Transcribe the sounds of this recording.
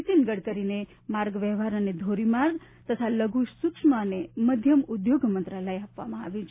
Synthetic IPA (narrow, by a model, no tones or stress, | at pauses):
t̪inɡəɽkəɾine | maɾɡʋɛɦʋaɾəned̪ʱoɾimaɾɡt̪ət̪ʰaləɡuʃsukʂmaneməd̪ʱjəmud̪joɡmənt̪ɾaləjapʋa̰mãaʋjũt͡ʃʰ